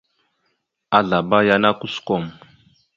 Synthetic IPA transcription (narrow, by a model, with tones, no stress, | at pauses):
a˨ɮa˨ba˦ja˦na˦ku˦skɔ˦˨m˨